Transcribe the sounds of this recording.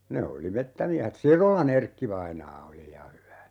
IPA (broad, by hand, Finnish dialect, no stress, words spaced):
ne oli metːæmiæhet sirolɑn erkːiʋɑinɑː oli jɑ hyʋæ